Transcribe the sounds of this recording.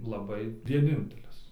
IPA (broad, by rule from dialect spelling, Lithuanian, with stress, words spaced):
lˠɐˈbɐɪ ʋʲiɛˈnʲɪnʲtʲɛlʲɪs